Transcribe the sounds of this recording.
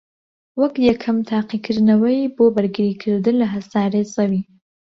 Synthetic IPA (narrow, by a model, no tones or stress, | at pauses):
wɐkjakʰamt̪ʰaːqikʰɨɾnɐwɐjboːbaɾɡɨɾiːkʰɨɾd̪ɨnlɐɦɐsaːɾezɐwiː